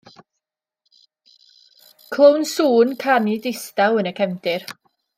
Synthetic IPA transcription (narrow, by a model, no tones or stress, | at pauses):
kʰl̥ˠownsuːnkʰanidɪstawənəkʰɛmdɪr